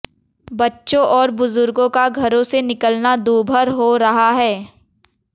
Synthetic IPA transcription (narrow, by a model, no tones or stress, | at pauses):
bɐtːʃõʔɔːɾbʊzʊɾɡõkaɡʱɐɾõsenɪkəlnad̪uːbʱəɾɦoɾɐɦaɦɛː